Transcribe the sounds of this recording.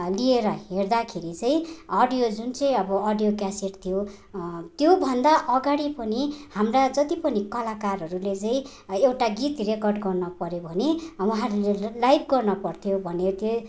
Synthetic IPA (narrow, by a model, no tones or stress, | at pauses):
lieɾʌɦerd̪akʰeɾit͡sʌĩʌɖijod͡zunt͡sʌ̃ĩʌbʌʌɖijokjaseʈt̪ʰijo | t̪jobʱʌnd̪aʔʌɡaɽipʌnihamrad͡zʌt̪ipʌnikʌlakarɦʌɾulet͡sʌĩ | ewʈaɡit̪rekʌrɖɡʌrnʌpʌɾjobʱʌnewaɦaʌɾulelajb̚ɡʌrnʌpʌrt̪ʰjobʱʌnet̪jo